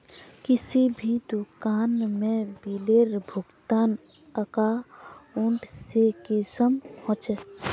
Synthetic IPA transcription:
kɪsibʱid̪ukaːnmẽbileɾbʱʊɡt̪aːn | əkaʊɳʈsekɪsəmhõt͡ʃe

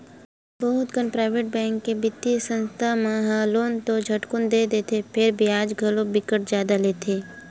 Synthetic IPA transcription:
bəɦʊt̪ɡənpɾaːɪʋeːʈ̚bɛ̃ːŋkːebɪt̪ːisə̃nst̪ʰamãɦãloːnt̪od͡ʒʱɐʈkʊnd̪eːd̪eːt̪ʰepʰɪɾbʱiaːd͡ʒɡʱɐlobɪkəʈ̚zjaːd̪aleːt̪ʰeː

